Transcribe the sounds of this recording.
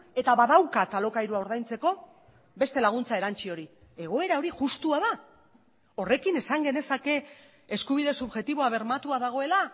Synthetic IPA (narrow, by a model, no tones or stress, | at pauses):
e̞t̪aβaðawkat̪alo̞kajɾuaoɾðajnt͡se̞ko̞ | be̞st̪e̞laɣ̞unt͡sae̞ɾant͡ʃio̞ɾi | e̞ɣ̞o̞e̞ɾao̞ɾiʝust̪uaða | o̞re̞kine̞saŋɡe̞ne̞sake̞ː | skuβ̞ið̞e̞suβʝe̞t̪iβ̞o̞aβ̞e̞ɾmat̪uaðaɣ̞o̞e̞la